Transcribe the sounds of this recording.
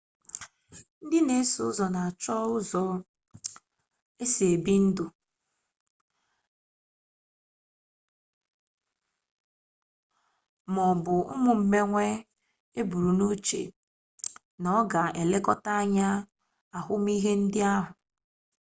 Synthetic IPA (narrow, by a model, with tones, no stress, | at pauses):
n̩˦dɪ˦ne˨˦su˨ʊ˦zɔ˨na˨a˨t͡ʃɔ˦ʊ˦zɔ˨ | e˦se˨e˨bi˦n̩˦dʊ˨ | mɔ˨bʊ˨ʊ̰˦mʊ˨m̩˨me˦ŋʷe˦ | e˦bu˨ɾu˨no˦t͡ʃḛ˨ | nɔ˨˦ɡa˨e˨le˦kɔ˦ta˦a˦ɲa˦ | a˨ɦʊ˦m˦i˦ɦe˦n̩˦dɪ˦a˦ɦʊ˨